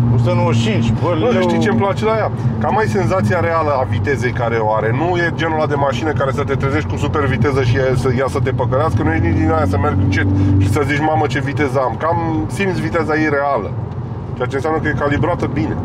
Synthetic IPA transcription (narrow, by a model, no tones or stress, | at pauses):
usənuoʃinʃvənusəʃt̪it͡ʃemplat͡ʃelajakamajse̞nzat̪sijaɾe̞aləavit̪e̞ze̞jkaɾe̞oaɾe̞nuje̞d͡ʒe̞nulad̪e̞maʃinəkaɾe̞sət̪e̞t̪ɾeze̞ʃt̪ʲkusupe̞rvit̪e̞zəʃisəjasət̪e̞pəkəɾeaskənujejnid̪inajasəme̞rɡɨnt͡ʃe̞t̪ʃisəzit͡ʃʲmamət͡ʃe̞vit̪e̞zamkamsimt̪svit̪e̞zajeɾe̞alə̰ | t͡ʃeat͡ʃe̞nsjanəkəjekalibɾoat̪əbine̞̰